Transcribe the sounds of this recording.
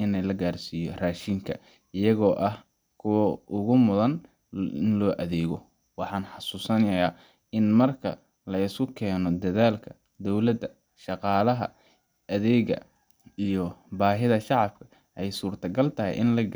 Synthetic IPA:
ɪnɛjlɐɡaːrsiːjɔraːʃiːŋkʰɐ | ɪjɐɣɔːʔɐh | kʰʊwɐʔʊɣʊmʊðɐn | ɪnlɔːʔɐðɛːɣɔ | wɑħɑːnħɑsuːsɐnjɐjaː | ɪnmɐrkʰɐ̰ | lɐɪskʊkʰɛːnɔd̪ɐðaːlkʰɐ | d̪ɔwlɐd̪ɐ | ʃɑqɑːlɐɦɐ̰ | ʔɐðɛːɣɐ̰ | ijɔbaːɦɪðɐʃɑʕɑb̥kʰɐ̥ | ʔɛjsuːrt̪ʰɐɡɐlt̪ʰɐɦɛ̰jʔɪnlɐ

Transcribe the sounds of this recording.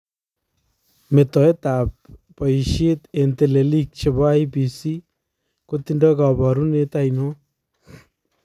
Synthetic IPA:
met̪ɔet̪apː | ɔjʃet̪ent̪elelik̚t͡ʃʰebaipisi | kot̪inɖɔɡabaɾunet̪ajno

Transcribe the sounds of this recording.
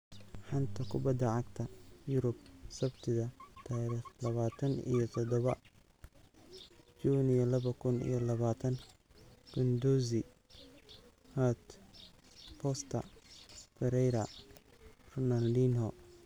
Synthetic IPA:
ħɑnt̪ʰɐkʰʊbɐd̪ːɐʕɑɡt̪ʰɐjʊɾʊb̚sɐbt̪ʰɪðɐt̪ʰaːɾiχlɐβaːt̪ʰɐnḭjɔt̪ʰɔd̪ɔβɐ | t͡ʃuːnijɔlɐβɐkʰʊnḭjɔlɐβaːt̪ʰɐn | ɡ̥ʊnd̪uzɪ | hat̪ | pʰɔst̪ʰɐ̰ | fɛɾɛjɾɐ | rʊnanlinɔ

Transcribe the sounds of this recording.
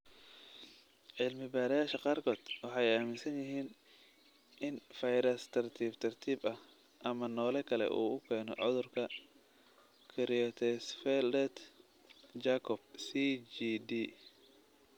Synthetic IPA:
ʕɪlmɪbaːɾjaːʃɐqɑːrkʰɔːd̪̥wɑħɑjaːmɪnsɐnjɪɦiːn | ʔɪnfɐjɾɐst̪ʰɐrt̪ʰiːbt̪ʰɐrt̪ʰiːbɐh | ʔɐmɐnɔːlɛkʰɐlɛ̰ʔṵːʊkʰɛːnɔ̰ʕʊðʊrkʰɐ | kʰɪɾɪɔt̪ʰɛsfɛldɛt̪ | t͡ʃaːkʰɔb̚sid͡ʒid̪iː

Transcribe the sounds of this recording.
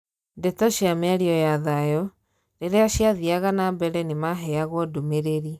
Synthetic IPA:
dɛtɔɕiamɛɾiɔjaðajɔ | ɾeɾeaɕiaðiaɣanabɛɾɛnemaɦɛaɣwɔdomeɾeɾi

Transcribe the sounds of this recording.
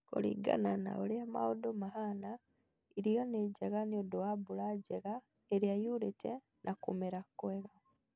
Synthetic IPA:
ko̰lḭɡa̰nana̰olema̰odomaɦana | iɾijoneɟeɣaniodoabulaɟeɣa | eɾjajulitʰe | nʔakumeɾakːoeɣa

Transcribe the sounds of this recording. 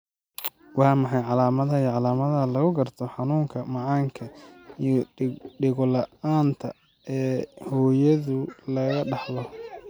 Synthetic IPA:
wɑːmɑħɑjʕɑlaːmɐðɐijʕɑlaːmɐðɐɐlɐɣʊɡɐrt̪ʰɔħɑnuːŋkʰɐmɑʕɑːŋkʰɐijɔɖɪɣʊlɐaːnt̪ʰɐ | ɛːhɔːjɐðʊlɐɣɐɖɑħlɔ

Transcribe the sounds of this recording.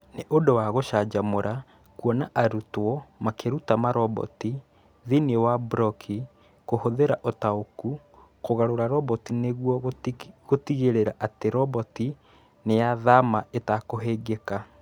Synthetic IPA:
neʔodowaɣoʃad͡ʒamoɾʔa | kuɔnaʔaɾutwɔmakeɾutamaɾɔbɔ̰ti | ðiniewabɾɔkʰi | kohoðeɾaʔotaoku | koɣaɾoɾaɾɔbɔtineɣwɔɣotiɣeɾeɾaʔateɾɔbɔti | nejaðamaetakoɦeːɡeka

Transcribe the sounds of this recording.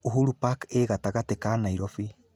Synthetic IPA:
uɦuɾupakeɣataɣatekaːnaiɾɔfi

